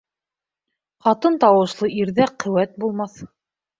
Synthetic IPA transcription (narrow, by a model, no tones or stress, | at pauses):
χɑt̪ɤnt̪ɑwɤ̆ʃlˠɤʔiɾðæqɵ̆wæt̪̚bulˠmɑθ